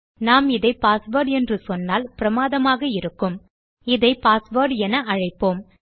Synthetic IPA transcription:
naːmɪðɐɪpaːsʋɐːɾɖɛndrɯsɔnːaːlpɪɾɐmaːðɐmaːɣɐɪɾɯkːɯm | ɪðɐɪpaːsʋɐːɾɖɛnɐɐɻɐɪpːoːm

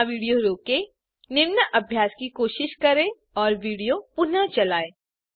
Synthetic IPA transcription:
ʋiːɽijoɾoːke | nɪɾnəʔɐbʱjaːskikoːʃɪʃkɐɾẽ | ɔːɾʋiːɽijopʊnət͡ʃɐlaːeː

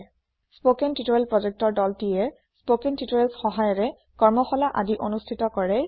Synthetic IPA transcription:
spokɛntitojɛlpɹɔd͡ʒek̚tɔɹdɔltijɛ | spokɛntitoɛlsxɔɦajɔɹɛ | kɔɹmɔxɔlaʔadiʔonustʰitɔkɔɹɛ

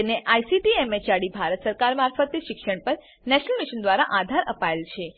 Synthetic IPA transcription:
neʔajsiʈiemet͡ʃaɽibʱaɾət̪səɾkaɾmaɾfət̪iʃɪkʃəɳpəɾ | nɛʃnəlmiʃənd̪ʋaɾaʔad̪ʱaɾʔəpaelt͡ʃʰe

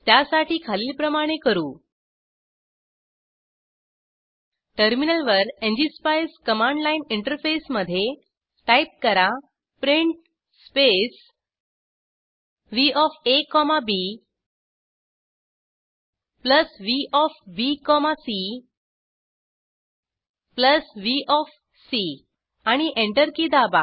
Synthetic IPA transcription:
t̪jasaʈiːkʰaliːlpɾəmaɽ̃ekəɾuː | ʈəɾminəlʋəɾẽɲd͡ʑispajskəmãɳɖlainiɳʈəɾfesməd̪ʱːje | ʈajp̚kəɾa | pɾiɳʈ | spes | ʋiɔfekɔmabi | pləsʋiʔɔfbikɔmasi | pləsʋiʔɔf | si | aɽ̃iʔẽɳʈəɾkid̪aba̰

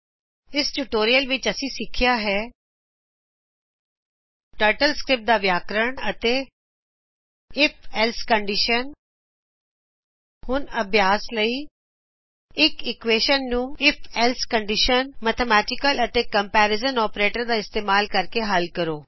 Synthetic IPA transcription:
ɪsʈuʈoːɾijəlʋɪt͡ʃəsĩːsɪkʰːɪjaːɦɛː | ʈəɾʈəlskɾɪp̚d̪aːʋjaːkɾəɳət̪eː | ɪpʰɛlskəɳɖɪʃən | hʊnəbʱjaːsləiː | ɪkɪkʋeːʃənːũːɪpʰɛlskəɳɖɪʃənmət̪ʰəmɛːʈɪkələt̪eːkəmpɛːɾɪzənɔːpɾeːʈəɾd̪aːɪst̪eːmaːlkəɾkeːɦəlkəɾoː

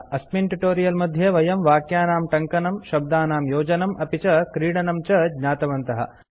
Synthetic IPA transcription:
ɐsminʈuʈoːɾijɐlmɐd̪ʱjɐʋɐjɐmʋaːkjaːnaːmʈɐŋkɐnɐmʃɐb̚d̪aːnaːmjoːd͡ʒɐnɐmʔɐpit͡ʃɐkɾiːɽɐnɐmt͡ʃɐɡɲaːt̪ɐʋɐnt̪ɐɦɐ̰

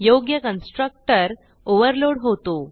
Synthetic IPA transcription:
joɡjəkənsʈɾək̚ʈəɾ | oʋəɾloɽɦot̪o

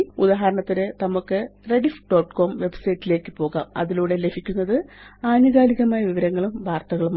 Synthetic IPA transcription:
ud̪aːɦɐɾɐɳɐt̪ːiɾenɐmukːɨre̞ɽifɖoːʈːko̞ːmʋe̞bsɐjtːile̞ːkːɨpo̞ːɣa̰ːmɐ̰ðiluːɽe̞le̞bʱikʲːunːɐðɨaːnuɣaːliɣɐmaːjɐʋiʋɐɾɐŋːɐɭumʋʱaːrt̪ːɐɣɐɭum

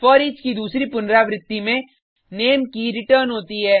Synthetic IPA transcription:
fɔɾit͡ʃkid̪uːsɾipʊnɾaʋɾɪt̪ːimẽ | neːmkiɾɪʈəːɾnɦoːt̪iɦɛː

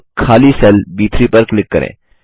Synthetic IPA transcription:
kʰaːlisɛlbiːt̪ʰɾiːpɐɾklɪkːə̰ɾḛ̃ː

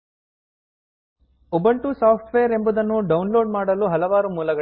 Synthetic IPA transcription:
ubɐɳʈusaːpʰʈʋejɐɾe̞mbud̪ɐnːuɖɐwunloːɖmaːɽɐluɦɐlɐʋaːɾumuːlɐɡɐ

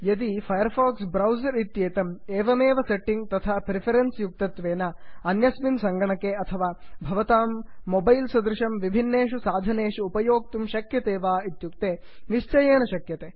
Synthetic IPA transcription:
jɐd̪ipʰɐjɐɾpʰaːksbɾɐwzɐɾit̪jeːt̪ɐmeːʋɐmeːʋɐseʈːiŋɡ̚t̪ɐt̪ʰaːpɾipʰɐɾensjuk̚t̪ɐt̪ʋeːnɐɐnjɐsminsɐŋɡɐɳɐkeɐt̪ʰɐʋaːbʱɐʋɐt̪aːmːobɐjlsɐd̪ɾɪʃɐmʋibʱinːeːʃusaːd̪ʱɐneːʂuːpɐjoːk̚t̪umʃɐkjɐt̪eːʋaːit̪jukt̪eː | ʋist͡ʃɐjeːnɐʃɐkjɐt̪eː

